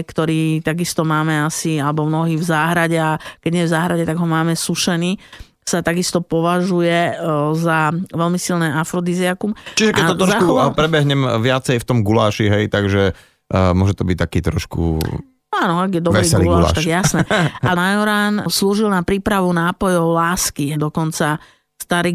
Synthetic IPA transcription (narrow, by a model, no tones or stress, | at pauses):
kt̪ɔɾiːt̪aɡist̪ɔmaːmɛasialɛbɔmnɔɦiːvzaːɦɾaɟɛakɛɟɲɛɛvzaːɦɾaɟɛt̪aɡɦɔmaːmɛsuʃɛniː | sat̪aɡist̪ɔpɔʋaʒujɛzaʋɛlmisilnɛːʔafɾɔd̪izɛakumt͡ʃiʒɛkkɛɔt̪ɾɔʃkkupɾɛbɛɦɲɛmʋɪat͡sɛjft̪ɔmɡula̰ːʃiɦɛjt̪aɡʒɛ | mʊɔʒɛt̪ɔbic̚t̪akiːt̪ɾɔʃkṵ | aːnɔaɡjɛd̪ɔɛɾiːɡulaːlaʃt̪aɡjasnɛanajɔɾaːnsluːʒilnapɾiːpɾaʋunaːpɔjɔʊlaːskid̪ɔkɔnt͡sa | st̪aɾi